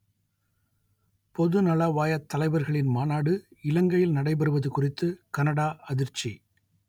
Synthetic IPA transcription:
pɔðɯnɐlɐʋaːjɐt̪ːɐlɐɪʋɐɾɣɐɭɪnmaːnaːɽɯɪlɐŋɡɐjɪlnɐɽɐɪp̬ɐɾɯʋɐðɯkʊrɪt̪ːɯkɐnɐɽaːʔɐðɪɾt͡ʃːi

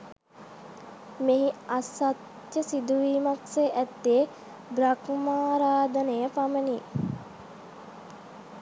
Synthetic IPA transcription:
meɦiasat̪ | jəsid̪uʋiːmakseʔæt̪ːie | bɾakmaːɾaːd̪ənejəpaməniː

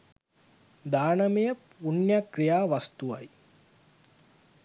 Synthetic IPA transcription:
d̪aːnɐmejəpunjakrijaːʋast̪uʋaj

